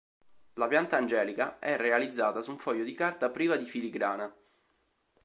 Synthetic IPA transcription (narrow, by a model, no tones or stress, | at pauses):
lapjant̪aːnd͡ʒɛːlikaɛrːealid̪zːaːt̪asuɱfɔjːod̪ikart̪apɾiːvad̪ifiliɡɾaːna